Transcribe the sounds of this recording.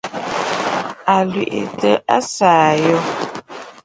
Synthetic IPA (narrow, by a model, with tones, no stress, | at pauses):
a˨lɥi˨ʔḛ˨tə˦ʔa˦saː˨jɔ˦